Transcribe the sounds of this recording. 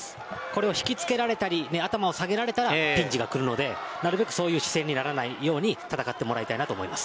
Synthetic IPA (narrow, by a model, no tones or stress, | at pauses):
ko̞ɾe̞o̞çi̥kʲit͡sɨ̥ke̞ɾaɾe̞t̪aɾʲineat̪amao̞saɡe̞ɾaɾe̞t̪aɾapʲĩɲ̟d͡ʑiɡakɯ̟ɾɯ̟no̞d̪e̞naɾɯ̟be̞kɯ̟̥so̞ːjɯ̟ːɕi̥sẽ̞ɲ̟ːinaɾanaijo̞ːɲ̟it̪at̪akat̪ːe̞mo̞ɾait̪ainat̪o̞ːmo̞̰imasɨ̥